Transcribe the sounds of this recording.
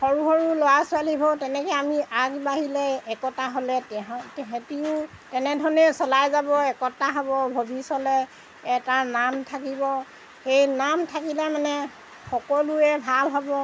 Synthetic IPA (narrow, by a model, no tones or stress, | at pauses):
xɔɹuxɔɹulowasʊalibʱɔtɛnɛkɛamiʔaɡbaɦilɛːkɔtaɦolɛtɛɦtɛɦɛ̃tiʊ | tɛnɛdʱɔɹnɛsɔlajzabɔɛkɔtaɦɔbɔbʱobʱisɔlɛ | ɛtanamtʰakibɔ | xejnamtʰakilɛmanɛ | xɔkɔluɛbʱalɦɔbɔ